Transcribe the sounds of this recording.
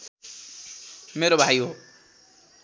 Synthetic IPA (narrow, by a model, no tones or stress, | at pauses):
meɾobʱajo